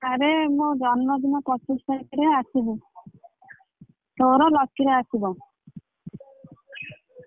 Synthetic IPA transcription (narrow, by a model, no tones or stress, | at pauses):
aɾemud͡ʒɔnmɔd̪inɔpɔsistakiɾeasibu | t̪oɾɔlɔkːiɾeasibɔ